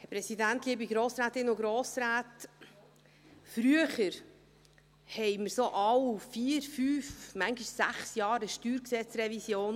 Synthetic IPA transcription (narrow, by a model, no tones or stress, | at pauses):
hɛpɾɛsidænt̪liːbiɡɾoːsɾaːt̪ɪnʊɡɾoːsɾæːt | fɾyəχəɾ | hɛɪməɾsoʔɑwfiːɾfyːfmæŋɡiʃsæ̰χsjɑːɾəʃtyːɾksɛt͡sɾɛvisjoːn